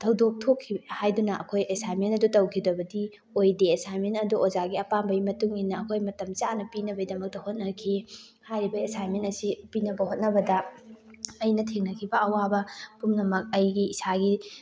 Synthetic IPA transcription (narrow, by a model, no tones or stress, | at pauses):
tʰɐwdok̚tʰokʰːihajdunɐʔɐ̰kʰojʔesajmentɐdutɐwkʰidɐbɐdi | ojdeesajmentɐduʔozaɡiɐpambɐjmɐtuŋinːɐːkʰojmɐtɐmt͡ʃanɐpinɐbɐjdɐmɐk̚tɐhot̚nɐkʰi | hajɾibɐesajmentɐsipinɐbɐhot̚nɐbɐdɐ | ɐjnɐtʰeŋnɐkʰibɐɐwabɐpumnɐmɐk̚ɐjɡiːsaɡi